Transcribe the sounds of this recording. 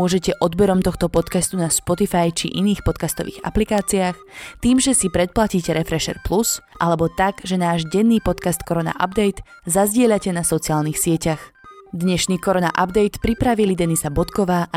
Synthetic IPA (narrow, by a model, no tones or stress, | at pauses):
ʊɔʒɛcɛʔɔd̪bɛɾɔmt̪ɔxt̪ɔpɔt̪kast̪unaspɔt̪ifajt͡ʃḭʔiniːxpɔt̪̚kast̪ɔʋḭːɣa̰plikaːt͡siax | t̪iːmʒɛsipɾɛt̪̚placiːcɛɾɛfɾɛʃɛ̰ɾplusʔalɛbɔt̪aɡʒɛnaːʒɟɛnːiːpɔt̪kast̪kɔɾɔna̰ʔa̰bd̪ɛjt̪ | zazɟɪɛʎacɛnasɔt͡siaːlniːxsɪɛcaxd̪ɲɛʃniːkɔɾɔna̰ʔabd̪ɛjt̪pɾipɾaʋilid̪ɛnisabɔt̪kɔʋaːʔa